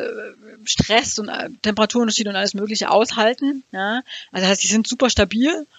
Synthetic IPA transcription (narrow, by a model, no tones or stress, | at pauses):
ʃtʁ̥ɛsʊntʔtʰːɛmpəʁatʰuːɐʊntɐʃiːdnʊntʔaləsmøːk̬lɪçəʔa̰ʊshaltn̩jaːʔalzosaɪstz̥iːzɪntz̥uːpɐʃtabiːl